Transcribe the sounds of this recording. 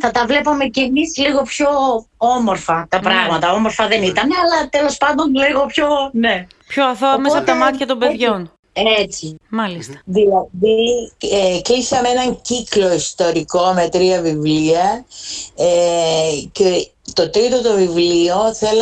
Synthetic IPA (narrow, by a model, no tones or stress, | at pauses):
θɐt̪ɐvle̞pome̞cemizliɣo̞pçoomo̞ɾfɐt̪ɐpɾɐɣmɐt̪ɐomoɾfɐðe̞nit̪ɐne̞ɐlɐt̪e̞lo̞spɐnd̪o̞nliɣo̞pçonepçoɐθoɐmesɐt̪ɐmɐt̪çɐt̪o̞mbeðʝo̞n | et͡simɐlist̪ɐ̥ðilɐðieklisɐmeenɐɲciklo̞ist̪o̞ɾiko̞met̪ɾiɐvivliɐ | e | ce | t̪o̞t̪ɾit̪ot̪o̞vivlio̞θel